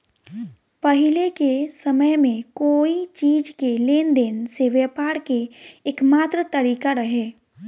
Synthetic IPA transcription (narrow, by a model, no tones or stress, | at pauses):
pəɦɪlekesəməjmẽkoːit͡ʃiːd͡ʒkeleːnd̪eːnseʋɛːpaːɾkeːkmaːt̪ɾət̪əɾiːkaɾəɦeː